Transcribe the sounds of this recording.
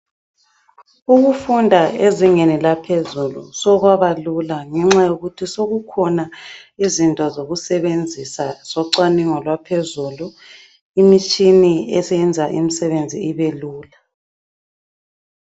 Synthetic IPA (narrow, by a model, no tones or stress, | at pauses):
uɣufundʱaeziŋenilapʰezulṵsɔɣwaβalulaŋɛŋ͡ǁajoɣutʰisoɣukʰɔnaizintʼɔzoɣusɛβend͡zʱisaz̥ɔǀwaniŋɔlwapʰezulu | imit͡ʃʼiniɛsɛnd͡zʱaʔimisɛβend͡zʱiiβeluːla